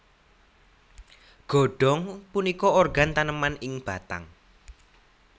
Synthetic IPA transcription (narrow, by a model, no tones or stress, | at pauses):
ɡ̥ɔ̤ɖ̥ɔ̤ŋpunikɔorɡant̪anəmanɪŋb̥a̤t̪a̰ŋ